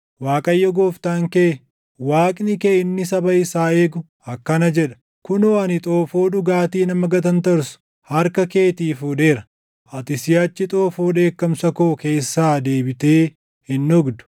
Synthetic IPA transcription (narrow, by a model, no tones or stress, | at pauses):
waːkʼɐjːɔɡoːft̪aːŋkeː | waːkʼnɪkeːɪnːɪsɐbɐjɪsaːe̞ːɡʊ | ɐkːɐnɐd͡ʒɛᶑɐ̥ | kʊnoːɐnɪt̪ʼo̞ːfoːɗʊɡaːt̪iːnɐmɐɡɐt̪̬ɐnt̪ɐɾsʊ̥ | hɐɾkɐke̞ːt̪iːfuːᶑe̞ːɾɐ | ʔɐt̪ɪsɪjɐt͡ʃːɪt̪ʼo̞ːfoːᶑe̞ːkːɐmsɐkoːke̞ːsːaːd̪e̞ːbɪt̪e̞ː | hɪnːʊɡd̪ʊ̥